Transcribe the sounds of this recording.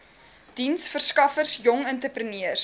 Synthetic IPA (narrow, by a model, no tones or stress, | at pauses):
d̥insfərskɐfərsjɔŋəntəprəniərs